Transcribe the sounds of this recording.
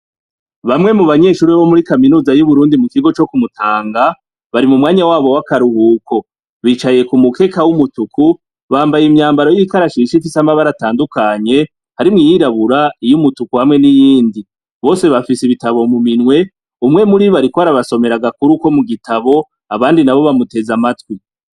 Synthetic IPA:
βamŋe̞muβaɲe̞ːʃuːɾiβomuɾikaminuːzajuβuɾuːndimukiɡo̞t͡ʃo̞kumutʰaːŋɡa | βaɾimumŋaːɲawaːβo̞wakaɾuhuːkʰo̞ | βiːt͡ʃaje̞kumuke̞ːkawumutukʰu | βaːmbajemɲaːmbaɾo̞jikaɾaʃiʃifisamaβaɾataːndukaɲe̞ | haɾimŋijiɾaβuɾaijumutukuhamŋe̞nijiːndi | βo̞ːse̞βafisiβitaβo̞muminwe̞ | umŋe̞muɾiβaɾikoaɾaβaso̞me̞ɾaɡakuɾuko̞muɡitaβo̞ | aβaːndinaβo̞βamute̞zamatwi

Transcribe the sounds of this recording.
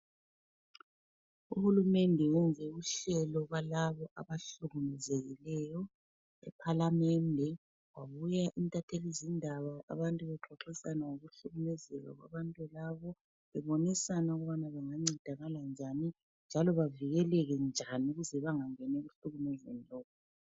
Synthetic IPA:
uhulumɛndʱɛwund͡zʱɛuɬɛlɔɣwalaβɔʔa̰βaɬuɣulɛzeɣilɛjɔ | ɛ̰pʰalamɛndʱɛ | waβujaʔintʼatʰelizindʱaβaʔa̰βantʼuβɛǃʱɔǁisanaŋoɣuɬuɣumɛzɛɣa̰ɣwa̰βantʼulaβɔ | βɛβonisanauɣuβanaβɛŋaŋ͡ǀid̥ʱaɣaland͡ʒʱani | nd͡ʒʱalɔβaviɣɛlɛɣɛnd͡ʒʱaniuɣuzɛβaŋaŋɛnɛuɬuɣumɛzɛnilɔːkʰɔ

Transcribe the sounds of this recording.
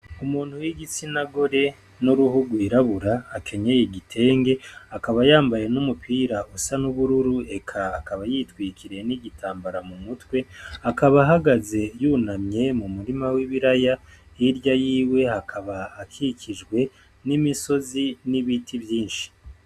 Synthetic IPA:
umuːn̥hujiɡit͡sinaɡo̞ɾe̞ | nuɾuhuɡwiɾaβuɾaːkʰe̞ɲe̞jeɟitʰe̞ːŋɡe̞akaβajaːmbaje̞numupiːɾausanuβuɾuɾue̞kʰaːkaβajitwiːkʰiɾe̞niɟitʰaːmbaɾamumutwe̞akaβaɦaɡaze̞juːnamɲe̞mumuɾimawiβiɾaja | iɾjajiːwe̞hakʰaβaːkʰikʰid͡ʒɡwe̞ | nimiso̞ziniβitʰiβjiːnʃi̥

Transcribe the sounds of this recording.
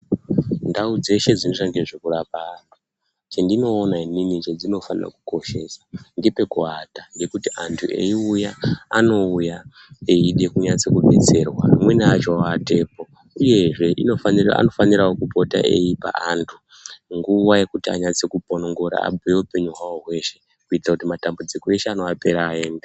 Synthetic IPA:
ndaud͡ze̞ʃe̞d͡zinot͡ʃaŋɡeʐekurapar | t͡ʃendino̞ːnainimit͡ʃed͡zino̞fanira̰kuko̞ʃe̞sḁndipe̞kuɦataŋɡe̞kutiantʰuʔe̞̰iujaːno̞uja | eiɗe̞kuɲat͡se̞kuɓe̞t͡se̞rwa̰mwe̞nat͡ʃoaate̞ːpo̞ | uje̞ʐe̞ʔino̞fanira̰no̞faniɾaokupo̞ta̰ʔe̞jipa̰antʰu | ŋɡuʋaje̞kutia̰ɲat͡sekupono̞ŋɡo̞ɾa̰a̰bwe̞upe̞ɲuɦwawo̞ɦwe̞ʃe̞ | kuitirakutimatambud͡zikoe̞ʃeano̞ape̞ɾaːe̞ːnda

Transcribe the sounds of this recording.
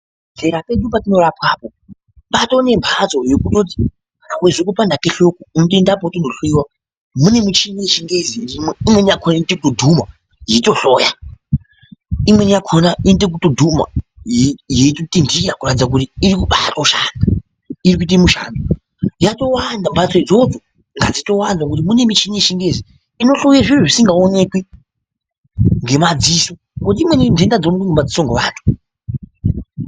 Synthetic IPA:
ɮeɾape̞ɗupatino̞rapkaːpo | pato̞ne̞mbʱazo̞jokutot̬i̥ | kanaweʐik̬upandakeɬo̞koumutendap̬aotondoɬwiwa | mune̞mut͡ʃiŋet͡ʃiŋɡezinimweimwe̞nijakʰonaintekutodʱuma | jeto̞ɬoːja | imwe̞nijakʰonaintek̬utodʱuma̰jjetotindijakuratid͡zakutiːɾikuɓatauʃana | iɾik̬uit̬emuʃa̰ndo | jato̞wandambat͡soid͡zo̞d͡zo̞ | ŋɡa̰d͡zito̞wanzwak̬ut̬imune̞mit͡ʃinieʃiŋɡezi | ino̞ɬojaʐiruʐisiŋɡaone̞kwi | ŋɡe̞mad͡ziso | kut̬iimwe̞nindendad͡zonekeŋɡemad͡zisoŋɡeʋaːntʰu̥

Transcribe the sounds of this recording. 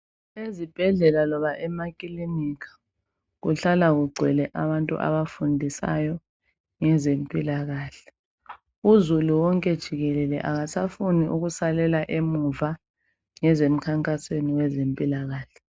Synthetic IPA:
ezib̥ʱɛɮɛlalɔβaʔɛmakʼilimikʰḁ | ɣuɬalaɣuɡ͡ǀʱwɛlɛʔaβantʼṵʔa̰βafundʱisa̰jɔ | ŋɛzempʼilaɣaːɬɛ̥ | uzuluwɔŋkʼɛd̥ʒ̥ʱiɣɛlɛlɛ̰ʔaɣasafuniʔuɣusalɛlaʔemuva | ŋɛzem̩kʰaŋkʼasweniwɛzempʼilaɣaːɬɛ̥

